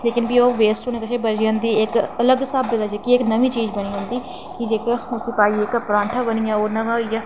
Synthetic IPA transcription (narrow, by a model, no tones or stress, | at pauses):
leːkɪnbiːoːʋeːsʈoːnẽːkət͡ʃʰebəd͡ʒjãːnd̪iːɪkələɡsaːbɪd̪aːd͡ʒeːkieknəʋiːt͡ʃiːd͡ʒbəniːd͡ʒãːnd̪iː | kid͡ʒekːʊsiːpaːiekapɾãːɳʈʰaːbənijaːoːnəʋaːjaː